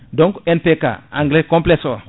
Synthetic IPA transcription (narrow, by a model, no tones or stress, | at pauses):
dɔ̃ŋkenpeka̰ãŋɡlekõmplesɔ